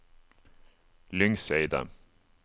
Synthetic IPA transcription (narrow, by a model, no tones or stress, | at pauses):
lʏŋseɪd̪ə̰